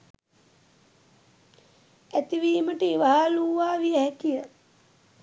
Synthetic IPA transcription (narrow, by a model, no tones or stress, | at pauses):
æt̪iʋiːməʈiiʋaɦaːluːʋaːʋijəhɛkijə